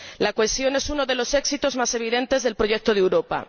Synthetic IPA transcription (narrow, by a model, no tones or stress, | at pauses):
lakwestjo̞ne̞suno̞ðe̞lo̞se̞ksit̪o̞zmase̞β̞iðẽ̞nt̪e̞zðe̞lpɾo̞ʝek̚t̪oð̞ewɾo̞pa̰